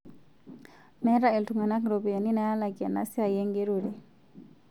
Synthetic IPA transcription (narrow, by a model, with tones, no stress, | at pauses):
mɛ˦ɾa˦e˨ltʰu˨ŋa˨na˦kɾo˨pi˨ja˨ni˦na˨ja˦la˨kʼɛ̰˨na̰˨si˦a˨jɛ˦ŋɡe˦ɾu˨ɺɛ˨